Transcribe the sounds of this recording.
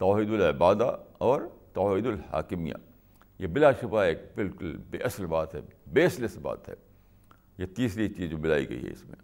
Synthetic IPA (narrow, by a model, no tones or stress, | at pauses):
t̪ɔːɦid̪ʊlɪbaːd̪aɔːɾt̪ɐːɦid̪ʊlha̰ːkɪmija̰ | jebɪlaːʃʊbaeːk̚bɪlkʊlbḛʔɐslbaːt̪ɦɛ̰beːɐslesba̰ːt̪ɦɛ̰ | jet̪iːsɾit͡ʃiːzd͡ʒomɪlaːḭɡɐ̰ḭɦɛ̰ɪ̰smḛ̃